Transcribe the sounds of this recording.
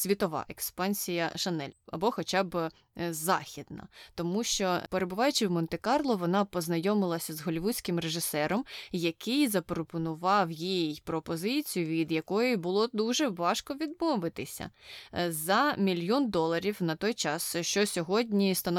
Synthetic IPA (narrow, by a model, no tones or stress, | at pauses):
sʲʋʲit̪ɔʋɑ̰ʔekspɑnʲsʲijɐʃɐnɛlʲɐbɔxɔt͡ʃɑb | zɑ̰xʲid̪nɐ̰t̪ɔmuʃt͡ʃɔpeɾebʊʋɑjʊt͡ʃɪwmɔnt̪ekɑrlˠɔʋɔnɑpɔznɐjɔmɪlˠɐsʲɐzɦɔlʲiʋusʲkɪmreʒɪsɛɾɔmjɐkɪjzɐpɾɔpɔnʊʋɑwjijjpɾɔpɔzɪt͡sʲijʊʋʲid̪jɐkɔjibʊlˠɔd̪uʒɛʋɑʃkɔʋʲid̪̚mɔʋɪt̪ɪsʲɐ̰zɐmʲilʲjɔnd̪ɔlˠɐɾʲiwnɐt̪ɔjt͡ʃɑsʃt͡ʃɔsʲɔɦɔdʲnʲist̪ɐn